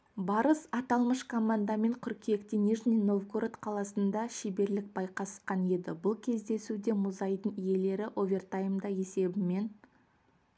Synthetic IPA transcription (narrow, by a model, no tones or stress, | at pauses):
bɑɾəsɑt̪ɑlˠməʃkʰomand̪ɑme̞ɴkʰʏɾkʲʰiekt̪eniʐnino̞vɡoɾt̪qʰɑlˠɑsənd̪ɑʃebe̞ɾlɪk̚bɑjqɑsə̥qɑnje̞d̪ɪbʊlˠkʲʰe̞zd̪e̞sud̪e̞mʊzɑjd̪əɴije̞le̞ɾɪʔovʲe̞rt̪ajmd̪ɑe̞se̞bɪme̞n